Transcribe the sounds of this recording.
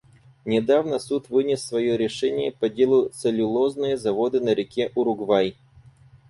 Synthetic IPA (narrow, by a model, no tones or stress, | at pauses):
nʲɪd̪avnəsut̪vɨnʲɪsːvɐjoɾʲɪʂɛnʲɪjəpɐdʲe̞lˠʊt̪sɨlʲʊlˠoznɨjəzɐvo̞d̪ɨnəɾʲɪkʲeʔʊɾʊɡvaj